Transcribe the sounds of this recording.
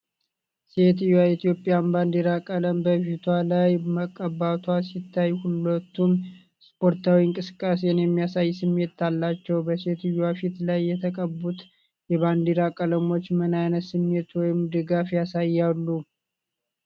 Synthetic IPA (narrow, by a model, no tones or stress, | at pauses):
se̞t̪ɨjwait̪jo̞pʼjanband̪iɾakʼələmbəfit̪ʰwalajməkʼːəbat̪ʰwasit̪ʰːajhulət̪ːum | spʰo̞ɾt̪ʰawiɨŋkʼɨsɨ̥kʼːasenjɛmːijasajsɨmːe̞t̪ːalːat͡ʃːɛwbəse̞t̪ɨjwafit̪lajːɛt̪ʰəkʼəbːut̪ | jɛβand̪iɾakʼələmo̞t͡ʃːmənajnət̪sɨmːe̞t̪wɔjɪmd̪ɨɡafjasajːalːu